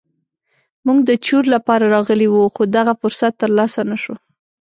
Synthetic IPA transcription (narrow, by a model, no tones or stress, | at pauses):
muɡd̪ət͡ʃuɾlapɑɾaɾɑɣəliwuxod̪aɣafʊɾsat̪ːəɾlɑsanaʃo